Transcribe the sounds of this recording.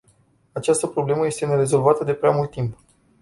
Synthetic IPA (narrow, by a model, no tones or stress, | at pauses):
at͡ʃast̪əpɾo̞ble̞məje̞st̪e̞ne̞ɾe̞zo̞lvat̪əd̪e̞pɾeamult̪ːimp